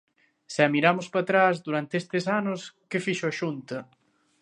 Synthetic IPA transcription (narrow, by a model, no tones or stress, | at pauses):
sɛɐmiɾamʊspɐt̪ɾazd̪uɾant̪eest̪ɪsanʊskɪfiʃʊɐʃunt̪ɐ